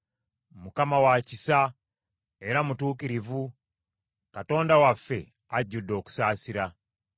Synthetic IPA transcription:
mukamawacisa | e̞ɾamutuːkiɾivu | kato̞ːndawafːe̞̰ | aɟːudːo̞ːku̥saːsiɾa

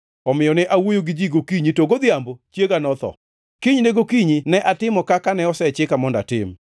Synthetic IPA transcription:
ɔmɪɔnɛʔawojoɡɪd͡ʒiɡokiɲitoɡod̪ɪambot͡ʃjeɡanɔt̪ɔ̰ | kiɲneɡokiɲinɛʔatɪmɔkakanɛɔsɛt͡ʃɪkamɔnda̰tɪ̰m

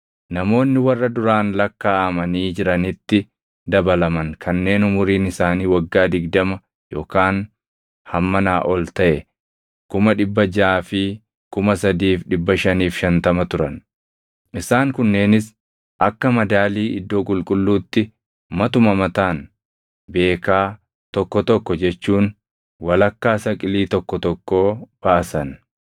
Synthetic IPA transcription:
nɐmo̞ːnːɪwɐrːɐd̪ʊɾaːnlɐkːaːɐmɐniːd͡ʒɪɾɐnɪt̪ːɪ | d̪ɐbɐlɐmɐŋkʰɐnːe̞ːnʊmʊɾiːnɪsaːniːwɐɡːaːd̪ɪɡd̪ɐmɐ | jo̞ːkaːn | hɐmːɐnaːʔɔlt̪ɐʔɛ | kʊmɐᶑɪbːɐd͡ʒaːfɪ | kʊmɐsɐd̪iːfᶑɪbːɐʃɐniːfʃɐnt̪ɐmɐt̪ʊɾɐn | ʔɪsaːŋkʊnːe̞ːnɪs | ʔɐkːɐmɐd̪aːliːʔɪd̪ːo̞ːkʼʊlkʼʊlːuːt̪ːɪ | mɐt̪ʊmɐmɐt̪aːn | be̞ːkaː | t̪ɔkːɔt̪ɔkːɔd͡ʒɛt͡ʃːuːn | wɐlɐkːaːsɐkʼɪliːt̪ɔkːɔt̪ɔkːoːb̥ɐʔɐsɐn

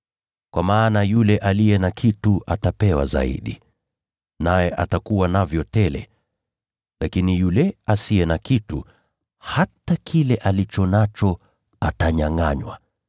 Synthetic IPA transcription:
kwamaːnajulɛʔalijɛnakʰituʔatapɛwa̰za̰ḭɗi | najɛʔatakuwanavjɔtɛlɛ̰ | lakinijulɛasijɛnakitu | hatakʰilɛʔalit͡ʃɔnat͡ʃɔ | ataɲaŋaɲwa̰

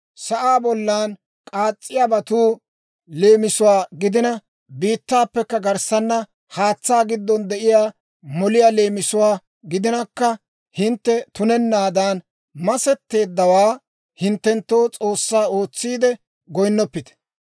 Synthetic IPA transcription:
sɐʔaːbɔlːaːn | kʼaːt͡sʼːɪjaːbɐt̪uː | le̞ːmɪsʊwaːɡɪd̪ɪnɐ | biːt̪ːaːpːɛkːɐɡɐɾsɐnːɐ | haːt͡sːaːɡɪd̪ːɔnd̪ɛʔɪjaː | mɔlɪjaːleːmɪsʊwaː | ɡɪd̪ɪnɐkːɐ | hɪnt̪ːɛt̪ʊnɛnːaːd̪aːn | mɐsɛt̪ːe̞ːd̪ːɐwaː | hɪnt̪ːɛnt̪ːoːt͡sʼo̞ːsːaːo̞ːt͡sːiːd̪ɛ | ɡɔjnːɔpːɪt̪ɛ̥

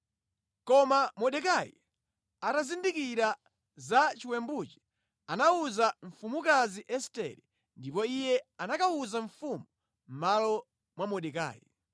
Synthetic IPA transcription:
kɔmamɔɗɛkajḭ | atazindikiɾa | zat͡ʃiwɛmbut͡ʃi̥ | anauzaɱfumukaziʔɛstɛ̰ɾi | ndipɔijɛanakauzaɱfumu | m̩malɔ | mwamɔɗɛka̰ːjḭ

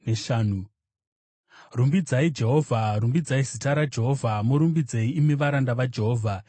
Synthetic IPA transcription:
neʃaːnu | rumbid͡zaid͡ʒe̞ɦo̞ːvʱaɾumbid͡zaizitaɾad͡ʒe̞ɦo̞vʱamoɾumbid͡zeiːmeʋaɾandaʋad͡ʒe̞ɦoːvʱa

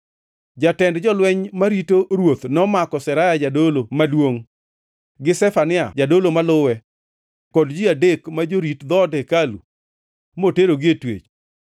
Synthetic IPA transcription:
d͡ʒatɛndd͡ʒɔlwɛɲmaɾitoɾwot̪nɔmakɔsɛɾajad͡ʒadolomadwoŋ | ɡɪsɛfanɪad͡ʒadolomalʊwɛ | kɔdd͡ʒɪadekmad͡ʒoɾitd̪ɔdɛkalṵ | moteɾoɡɪetwḛt͡ʃ

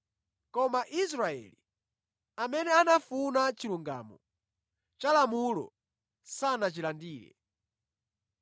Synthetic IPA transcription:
kɔmaʔis̬ɾaɛ̰li | amɛnɛanafunat͡ʃiluŋɡa̰ːmɔ | t͡ʃalamulɔ̰ | sanat͡ʃilandiːlɛ̰

